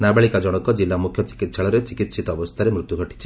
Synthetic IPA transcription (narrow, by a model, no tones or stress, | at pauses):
nabeɭikad͡ʒɔɽ̃ɔkɔd͡ʒilːamukʰjɔt͡ʃi̥kit̪sʰaɭɔɾet͡ʃikit̪sit̪ɔːbɔst̪ʰaɾemɾut̪juɡʱɔʈi̥t͡ʃʰi̥